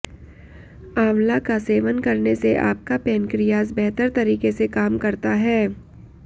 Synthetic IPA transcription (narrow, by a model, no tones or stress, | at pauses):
aːmlakaseːʋənkɐɾneseʔa̰ːp̚kapɛːnkɾijaːzbɛɦt̪əɾt̪ɐɾiːkesekaːmkɐɾt̪aɦɛː